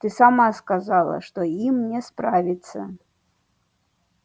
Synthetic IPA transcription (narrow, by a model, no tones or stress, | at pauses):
t̪ɨsamaskazalˠɐ̰ʂt̪ɔimnʲɛspɾavʲit̪sːɐ̰